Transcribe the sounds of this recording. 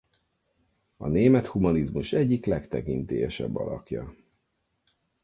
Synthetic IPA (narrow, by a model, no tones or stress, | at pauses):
ɒneːmɛt̪humɒnizmuʃɛɟːiklɛkt̪ɛkint̪eːjɛʃɛ̰bːɒ̰lɒkjɒ